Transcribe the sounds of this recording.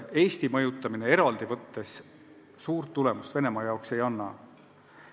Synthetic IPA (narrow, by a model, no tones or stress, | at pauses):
e̞ːst̪imɤjut̪ːˑɑminee̞ɾɑld̪̥ivɤt̪ːe̞s | suːrt̪ːule̞must̪v̥e̞ne̞mɑjɑokse̞jɑnːɑ̰